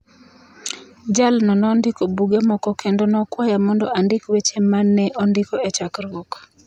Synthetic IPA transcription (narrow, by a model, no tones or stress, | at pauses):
d͡ʒalnɔnɔndɪkobuɡemɔkɔkʰendonɔkwajamɔndɔʔandɪkwet͡ʃemanːɛʔɔndɪkɔet͡ʃakɾok